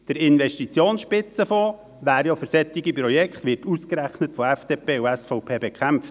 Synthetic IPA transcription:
d̥əɾɪnʋɛʃtit͡sjoːnsʃpɪt͡səfɔː | ʋæːɾjɑfʏɾsɛt̪ːɪɡipɾɔjɛkχtʋɪɾtuskɾæχnətfɔɛfd̥eːpeːuɛsfɔʊpʰeːbɛkχæmft

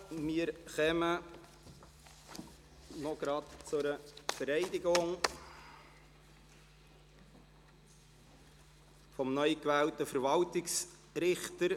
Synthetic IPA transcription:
miːəɾχɛmə | nɔɡ̥ɾɑtt͡sʊɾəfəɾɛɪdɪɡʊŋ | fɔmnœʏkʋæːltəfəɾʋɑltɪks | ɾɪχt̪əɾ

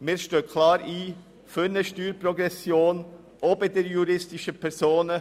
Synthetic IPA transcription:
mɪːɾʃtøːkʰlɑːɾiː | fønəʃtyːɾprɔɡɛsjoːn | ʔɔbədɛɾjuɾɪstɪʃəpʰɛɾzoːnə

